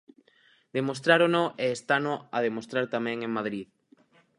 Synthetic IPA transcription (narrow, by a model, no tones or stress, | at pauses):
d̪emost̪ɾaɾonoʔeːst̪anʊað̞emost̪ɾaɾt̪amɛ̃ŋẽŋmaðɾið